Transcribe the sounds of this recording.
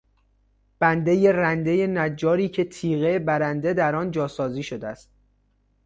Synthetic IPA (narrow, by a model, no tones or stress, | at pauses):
b̥ænd̪e̞jerænd̪e̞je̞næd͡ʒːɒːɾiːcʰe̞t̪ʰiːɣebæɾænd̪e̞d̪æɾɒːnd͡ʒɒːsɒːziːʃod̪eæst̪̚